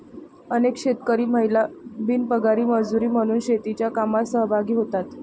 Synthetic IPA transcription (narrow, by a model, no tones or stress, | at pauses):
ənekɕet̪kəɾiːməɦjlabinpəɡaɾiːməd͡zuɾiːm̤əɽ̃uːnɕet̪it͡ɕjakamasəɦbʱaɡiːɦot̪at̪